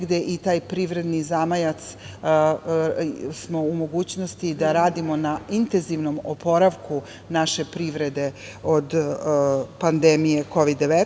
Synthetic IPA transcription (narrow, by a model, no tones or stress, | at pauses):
ɡd̪eʔit̪aːjpɾiʋɾe̞d̪nizamajat̪s | smo̞umo̞ɡuːt͡ɕno̞st̪id̪aɾaːd̪imo̞naint̪enziʋno̞mopo̞ɾaʋku | naʃe̞pɾiʋɾe̞d̪e̞ | o̞d̪ | pand̪emije̞ko̞ʋid̪ːeʋet̪